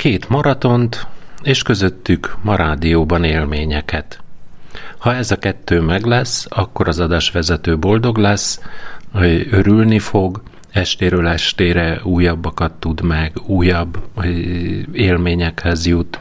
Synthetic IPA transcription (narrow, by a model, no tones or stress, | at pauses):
keːt̪mɒɾɒt̪o̞nt̪eːʃkø̞zø̞t̪ːykmɒɾaːd̪ijoːbɒneːlmeːɲɛkɛt̪ | hɒɛzɒkɛt̪ːøːmɛɡlɛsːɒkːo̞ɾɒzɒd̪aːʃʋɛzɛt̪øːbo̞ld̪o̞ɡlɛs | øɾylnifo̞ɡ | ɛʃt̪eːɾøːlɛʃt̪eːɾɛuːjɒbːɒkɒt̪ːud̪mɛɡuːjɒbː | eːlmeːɲɛkhɛzjut̪